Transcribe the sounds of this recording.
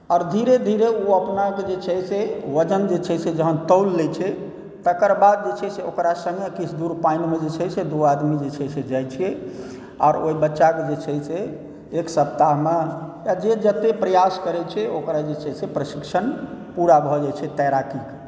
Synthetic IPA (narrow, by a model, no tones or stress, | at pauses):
ɔːɾd̪ʱiɾed̪ʱiɾeuəpnaked͡ʒet͡ʃʰɛseʋəd͡ʒənd͡ʒet͡ʃʰɛsed͡ʒəɦənt̪əwlːɛt͡ʃʰɛ | t̪əkəɾbad̪̚d͡ʒet͡ʃʰɛseokɾasə̃ŋɡekit͡ʃʰd̪uɾpainmed͡ʒet͡ʃʰɛsed̪uad̪mid͡ʒet͡ʃʰɛsed͡ʒajt͡ʃʰije | ɔ̰ːɾoibətːʃaked͡ʒet͡ʃʰɛseː | ksəp̚t̪aɦmejad͡ʒed͡ʒət̪epɾəjaskəɾɛt͡ʃʰɛokɾad͡ʒet͡ʃʰɛsepɾəsiksənpuɾabʱɔd͡ʒajt͡ʃʰɛt̪ɛɾakike̥